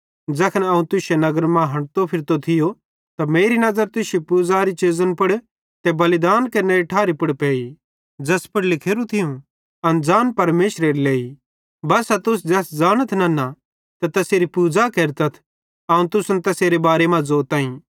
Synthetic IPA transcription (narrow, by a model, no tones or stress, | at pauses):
d͡ʒɐkʰənɐːũt̪ʊsenɐɡəɾmãɦɐ̃ɽt̪opʰɪɾt̪ot̪ʰɪjo | t̪ameːɾinɐzəɾt̪ʊsepuːd͡zaɾit͡ʃeːzənpʊɽ | t̪ɛbɐlɪd̪aːnkɐneɾiʈʰaːɾipʊɽpeːi | d͡ʒɐspʰɪɽlɪkʰeːɾũt̪ʰɪjũ | ɐnd͡zaːnpɐɾmeːʃɾeɾileːi | bɐsat̪ʊs̬d͡ʒɛsd͡zaːnət̪ʰnɐna | t̪ɛt̪ɐseːɾipuːd͡zakeːɾt̪ɐt̪ʰ | aːũt̪ʊsənt̪ɐseːɾebaːɾemɐ̃d͡zoːt̪ãːĩ